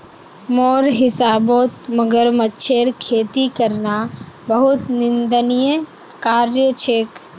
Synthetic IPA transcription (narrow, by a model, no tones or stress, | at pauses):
moːɾɦɪsaːboːt̪məɡəɾmətːʃʰeːɾkʰeːt̪ikəɾnabəɦʊt̪nɪ̃nd̪ənijə | kaːɾjət͡ʃʰeːk